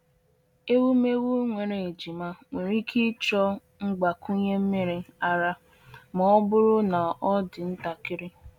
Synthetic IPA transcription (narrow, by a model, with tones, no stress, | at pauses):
e˦wu˦me˦wu˦ŋʷe˨ɾe˨e˨d͡ʒi˨ma˦ŋʷe˨ɾi˦kʰi˦t͡ʃɔ˦ | ŋ͡m̩˦ɡ͡ba˨ku˦ɲe˦m̩˦mi˦ɾi˦a˦ɾa˦ | mɔ˨˦ɔ˦bʊ˦ɾʊ˦na˨ɔ˦dɪ˨n̩˦ta˨kɪ˦ɾɪ˦